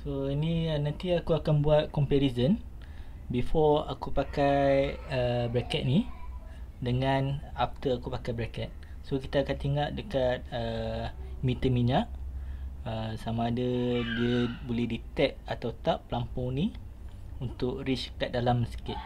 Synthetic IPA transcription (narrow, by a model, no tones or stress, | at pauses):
soiniənant̪iakuakanbuat̪̚kɔmpɛɾizən | bifɔa̰kupakajəbɾɛkɛt̪̚ni | dəŋanaft̪əakupakajbɾɛkɛt̪̚ | sokit̪aːkant̪iŋaʔdəkat̪̚ə | mĩt̪əmiɲaʔ | əsamaːdadiəbolɛhdit̪ɛk̚at̪awt̪aʔːəlampuŋni | unt̪ʊʔɾit͡ʃkat̪̚dalamsə̥kɪt̪̚